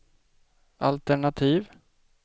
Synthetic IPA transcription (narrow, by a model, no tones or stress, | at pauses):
a̰lt̪ɛɳat̪ʰiːv